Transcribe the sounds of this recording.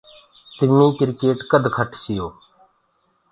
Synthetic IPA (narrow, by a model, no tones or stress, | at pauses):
t̪ɪnːiːkɪɾkeːʈkəd̪ʱkʰəʈʰsɪjoː